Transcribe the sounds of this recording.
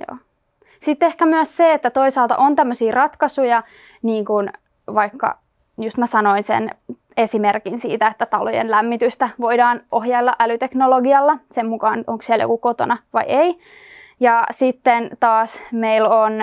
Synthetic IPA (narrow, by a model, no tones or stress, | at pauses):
jo̰ː | sit̪ːehkæmyæsseet̪ːæt̪oisɑːlt̪ɑ̰ʔont̪æmːøsiːrɑt̪kɑsujɑ | niːŋkun | ʋɑikːɑ̰ | just̪mæsɑnoinsḛn | esimerkinsḭːt̪æet̪ːæt̪ɑlo̰jḛnlæmːit̪yst̪æʋoidɑːnoɦjɑilːɑʔælyt̪eknoloɡiɑlːɑsemmukɑːnʔoŋksiɛæljo̰kukot̪o̰nɑʋɑ̰iei | jɑsit̪ːent̪ɑːsmeilon